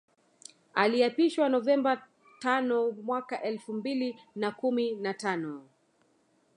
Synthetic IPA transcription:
aliapiʃwanɔvɛmba | tanɔmwakaʔɛlfumbilinakuminatanɔ

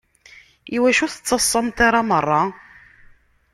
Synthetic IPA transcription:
iwæʃuθə̥t͡sːɑsˤːəmt̪aɾˤamərˤːɑ

